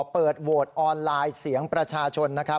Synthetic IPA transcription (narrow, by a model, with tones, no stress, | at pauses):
pɤː˨˩t̪̚woː˨˩t̪̚ʔɔː˧nlaː˧jsi˩˦əŋpɾa˧t͡ɕʰaː˧t͡ɕʰo˧nːa˦˥kʰɾa˦˥